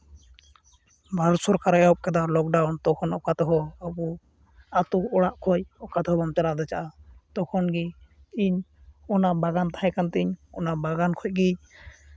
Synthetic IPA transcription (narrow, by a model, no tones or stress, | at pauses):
baɾsɔɾkaɾɛaɔp̚kɛd̪alɔk̚ɖawnt̪ɔkʰɔnɔkat̪ɔɦɔabu | at̪uɔɽaʔkʰɔjɔkat̪ɔɦɔbɔmt͡ʃalad̪ɛt͡ʃaʔat̪ɔkʰɔnɡi | iɲɔnabaɡant̪aɦɛkant̪ɛɲɔ̰nabaɡankʰɔc̚ɡi